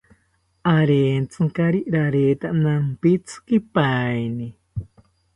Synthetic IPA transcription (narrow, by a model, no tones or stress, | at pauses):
aɾeːnt͡sɨŋkaɾiʔɾaɾeːt̪aʔnampit͡sʰɨ̥kipajni